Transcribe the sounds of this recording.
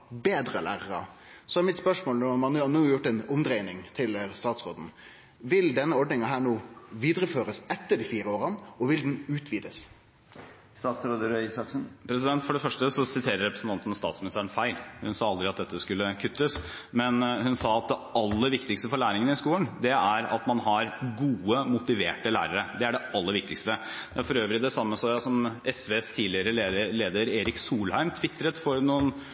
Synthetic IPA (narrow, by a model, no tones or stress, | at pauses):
beːd̪ɾəlæ̰ːɾəɾɑ̰ | sɔæɾmɪt̪spœʂmoːlnɔmɑnnːɑnuːjʊʈːɛnʊmd̪ɾɛɪnɪŋt̪ʰɪlst̪ɑːt̪sɾoːd̪n̩ | ʋɪld̪ɛnːəɔɖnɪŋɑɦæːɳuːʋiːd̪ɾəføːɾəsɛt̪ːəɖiːfiːɾəoːɾɑnɔʋɪld̪n̩ʉːt̪ʰʋiːd̪əs | st̪ɑːt̪sɾoːd̪əɾœsɑksn̩pʰɾɛs̬ɪd̪ɛnt̪fɔɖɛfœʂʈəsɔsɪt̪ʰeːɾəɾɛpɾəsn̩t̪ɑnt̪ənɔst̪ɑ̰ːt̪smɪnɪst̪æːɾənfæɪlhʉnsɑːɑld̪ɾɪɑt̪̚d̪ɛt̪ːəskʉlːəkʰʉt̪ːəs | mɛnhʉnsɑːɑt̪̚d̪ɛɑlːəɾʋɪkt̪ɪkst̪əfɔɾɭæːɾɪŋənɪskuːlənd̪ɛæɾɑ̰t̪mɑnɦɑɾɡuːəmʊt̪ɪʋeːʈəlæ̰ːɾəɾəd̪ɛæɖɛɑlːəɾʋɪk̚t̪ɪkst̪ə | d̪̥ɛæɾfɔɾøːʋɾɪd̪ɛsɑmːəsɔːjɑsɔmʔɛsʋeːst̪ʰiːdlɪəɾəleːəleːd̪əɾeːɾɪksuːlhæɪmt̪ʰʋɪt̪ʰːɾət̪fɔɾnuːən